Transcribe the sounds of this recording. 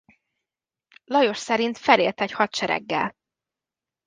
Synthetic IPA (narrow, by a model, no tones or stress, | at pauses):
lɒjo̞ʃsɛɾint̪fɛleːlt̪ɛchɒt̪ʃɛɾɛ̰ɡːɛ̰l